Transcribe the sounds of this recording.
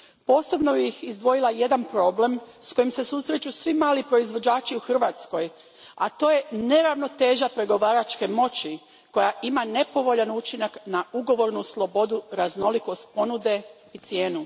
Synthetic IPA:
po̞ːso̞bno̞bixizd̪ʋo̞jilˠaje̞d̪anpɾo̞ble̞msko̞jimse̞susɾet͡ʃusʋimaːlipɾo̞izʋo̞d͡ʑaːt͡ʃiuxr̩ʋat̪sko̞j | a̰t̪o̞ːje̞ne̞ɾaʋno̞t̪e̞ːʒapɾe̞ɡo̞ʋaːɾat͡ʃke̞mo̞t͡ɕi | ko̞jaʔimane̞po̞ʋo̞ʎanut͡ʃinaknauɡo̞ʋo̞ɾnuslˠo̞bo̞d̪uɾazno̞liko̞st̪̚po̞nud̪e̞ | it̪sje̞ːnu

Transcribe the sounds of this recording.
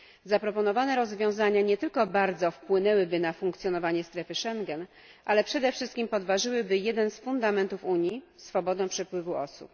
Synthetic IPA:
zapɾɔpɔnɔvanɛɾɔzvʲjɔ̃w̃zaɲaɲɛt̪ɘlkɔbaɾd̪zɔfpwɘnɛwɘbɘnafuŋkt̪sʲjɔnɔvaɲɛst̪ɾɛfɘʂɛŋɡɛn | ʔalɛpʂɛd̪ɛfʂɘst̪kʲimpɔd̪vaʐɘwɘbɘjɛd̪ɛnsfund̪amɛnt̪ufuɲjisfɔbɔd̪ɛ̃pʂɛpwɘvuɔ̰sṵp

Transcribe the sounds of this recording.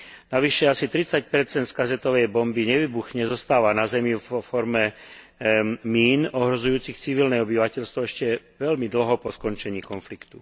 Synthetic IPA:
naʋiʃɛasit̪ɾit͡sac̚pɛɾt͡sɛnt̪skazɛt̪ɔʋɛjbɔmbiɲɛʋiːbuxɲɛzɔst̪aːʋanazɛmiɔfɔɾmɛ | miːnɔɦɾɔzujuːt͡sixt͡siʋilnɛɔbiʋacɛʎst̪ʋɔɛʃcɛʋɛʎmid̪l̩ɦɔpɔskɔnt͡ʃɛɲiːkɔnflikt̪u

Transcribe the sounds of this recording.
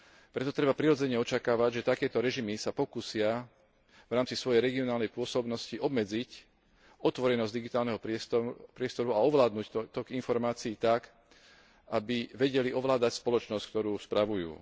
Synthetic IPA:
pɾɛt̪ɔt̪ɾɛbapɾiɾɔd͡zɛɲɛɔt͡ʃakaːʋaɟʒɛt̪akɛːt̪ɔɾɛʒimisapɔkuːsɪa | ʋɾaːmt͡sisʋɔjɛjɾɛɡiɔnaːlnɛjpʊɔsɔbnɔsciʔɔbmɛd͡zic | ɔt̪ʋɔɾɛnɔzɟd̪iɡit̪aːlnɛɦɔpɾɪɛpɾɪɛst̪ɔɾuaɔʋlaːd̪nuːcɔt̪ɔɡinfɔɾmaːt͡siiːt̪ak | ʔabiʋɛɟɛliʔɔʋlaːd̪acspɔlɔt͡ʃnɔsc̚k̚t̪ɔɾuːspɾaʋujṵː

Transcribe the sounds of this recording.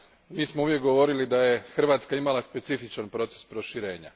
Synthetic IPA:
miːsmouʋje̞kɡo̞ʋo̞ɾilid̪aje̞xr̩ʋaːt̪skaimalˠaspe̞t̪sifit͡ʃanpɾo̞t̪sespɾo̞ʃiɾe̞ːɲa̰

